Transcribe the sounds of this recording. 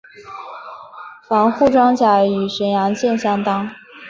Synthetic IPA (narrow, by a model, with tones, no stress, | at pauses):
fɑ˧˥ŋxu˥˩ʈ͡ʂwɑ˥ŋt͡ɕja˧˥y˨˩ʂə˧˥njɑ˧˥ŋɕjɛ˥˧nɕjɑ˥˩ŋt̪ɑ˥ŋ